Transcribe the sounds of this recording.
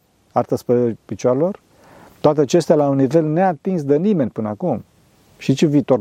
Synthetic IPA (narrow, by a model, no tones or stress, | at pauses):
art̪aspɾepit͡ʃaɾelo̞r | t̪oat̪eat͡ʃe̞st̪ealaunːive̞lneat̪insd̪enime̞nʲpɨnəakum | ʃit͡ʃuviːt̪o̞r